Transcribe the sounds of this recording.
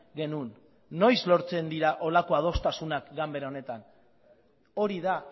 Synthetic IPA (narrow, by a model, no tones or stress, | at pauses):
ɡe̞nunː | o̞jzlo̞ɾt͡se̞nd̪iɾaʔo̞lako̞aðo̞st̪asunakɡambe̞ɾao̞ne̞t̪an | o̞ɾiða